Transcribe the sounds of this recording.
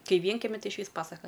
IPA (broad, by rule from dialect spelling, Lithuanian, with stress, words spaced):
ˈkɐɪ ˈʋʲiɛŋʲkʲɛmʲɪ ˈtɐɪ ɪʃʲˈʋʲiːs ˈpɑːsɐkɐ